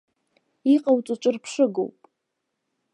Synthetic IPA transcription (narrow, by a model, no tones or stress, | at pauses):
iqʼawt͡sʷʼat͡ʃʷʼɨrpʰʂɨɡo̰wpʼ